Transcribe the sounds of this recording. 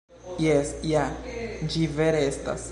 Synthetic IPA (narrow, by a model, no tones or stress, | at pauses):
jesjad͡ʒiveɾeesta̰s